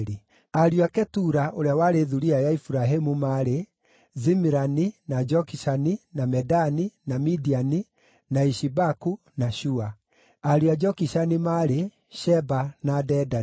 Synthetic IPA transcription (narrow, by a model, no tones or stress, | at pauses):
ɾi | aɾiwakɛtuɾaʔoɾeawaɾeðuɾiajaifuɾaɦemumaɾe | zimiɾaninad͡ʒɔkiʃaninamɛdaninamidiani | naiʃibaku | naʃua | aɾiad͡ʒɔkiʃanimaɾe | ʃɛbanadɛda